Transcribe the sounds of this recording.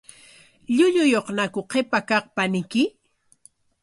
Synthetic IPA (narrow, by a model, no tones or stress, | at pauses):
ʎʊʎʊjoχnakʊqepakɑχpanɪkɪ